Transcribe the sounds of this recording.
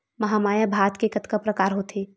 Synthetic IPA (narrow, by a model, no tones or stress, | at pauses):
mɐɦaːmaːjabʱaːt̪kekɐt̪kapɾɐkaːɾɦot̪ʰeː